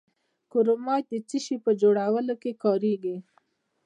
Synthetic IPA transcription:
kʊɾomɑj̪̚d̪ət͡siʃipəd͡ʒoɽawəlokekɑɾeɡi

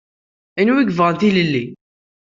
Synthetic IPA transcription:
ænwiɡvʁənθiləlːi

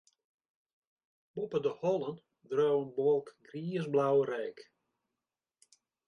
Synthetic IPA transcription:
bɔpədəhɔlˠən | drowənbolˠkɡriəsblawrɛjk

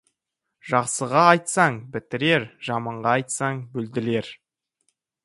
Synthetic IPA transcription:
ʒɑqsəʁɑːjt̪sɑɴbɪt̪ɪɾe̞ɾʒɑmɑɴʁɑɑjt̪sɑɴbɵld̪ɪle̞ɾ

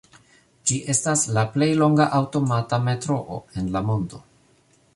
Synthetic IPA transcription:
d͡ʒiʔe̞staslaple̞jlo̞ŋɡaʔawto̞matame̞tɾo̞ʔo̰e̞nlamo̞ndo̞

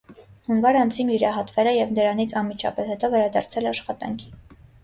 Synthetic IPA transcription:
hunvɑɾɑnsʰimjuɾɑɦɑt̪vɛlɛjɛvnəɾɑn̪it͡sʰɑnmit͡ʃʰɑ̰pɛshɛt̪ɔvɛɾɑd̪ɑ̰ɾt͡sʰɛlɛɑʃχɑt̪ɑ̰ŋkʰi̥

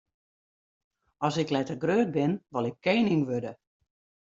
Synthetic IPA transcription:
ɔsɪklɛtərɡrøːt̚bɪnʋɔlɪkʰːeːniŋʋødə

